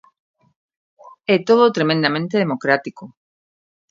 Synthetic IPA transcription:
et̪oðot̪ɾemẽnd̪amẽnt̪eðemokɾat̪iko

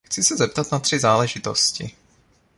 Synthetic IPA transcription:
xt͡sɪsɛzɛp̚t̪at̪nat̪r̝̥ɪzaːlɛʒɪt̪o̰scɪ̰

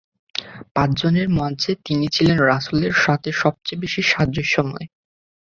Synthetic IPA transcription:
pãt͡ɕd͡ʑoneɾmɔt͡ɕʰet̪init͡ɕʰilenɾasuleɾʃat̪ʰeʃɔb̚t͡ɕebiʃiʃad̪d͡ʑoʃɔmɔe

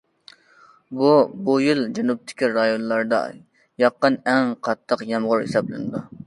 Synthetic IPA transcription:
bubujild͡ʒɛnup̚t̪ʰɪ̥kʲiɾɑjonlˠɑɾd̪ɑ̰ | jɑqːənɛŋqʰɑt̪ʰːəqjɛmʁʊɾhḛsɑblɪ̰nɨd̪u

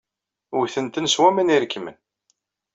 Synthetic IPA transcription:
ʊθənt̪ənswæməniɾəkːmə̰n

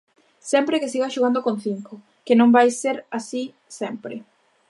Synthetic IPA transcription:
sɛmpɾɪkɪsiɣaʃoɣand̪okõn̟θiŋko | kɪnõmbajseɾasi | sɛmpɾɪ̰

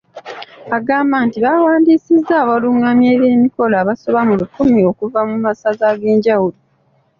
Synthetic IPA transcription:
aɡaːmbaːntiβawaːndiːsizːaːβaluŋamje̞ːβe̞ːmiko̞laːβaso̞βamulukumio̞kuvamumasazaːɡe̞ːɲɟawulo

